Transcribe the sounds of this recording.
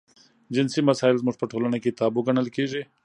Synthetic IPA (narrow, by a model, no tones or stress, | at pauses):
d͡ʑɪnsimɐsaːɪlzmʊʂpɐʈʰoːlɐnekit̪aːbuɡɐɳɐlkiːʐeː